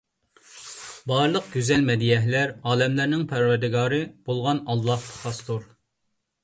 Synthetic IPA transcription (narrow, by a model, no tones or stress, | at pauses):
bɑɾlˠəq̚ɡ̥ʲyzɛlmɛd̪ijɛɦlæɾɑːlɛmlæɾnɪŋpʰæɾvæɾd̪ɪɡɑːɾɨb̥olˠʁɑnɑlˠːɑht̪ʰɑ̥χɑst̪uɾ